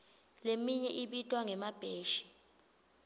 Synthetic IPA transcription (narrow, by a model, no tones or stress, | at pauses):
lemiɲɛʔiɓitʼwaŋɛmab̥ʱeːʃi̥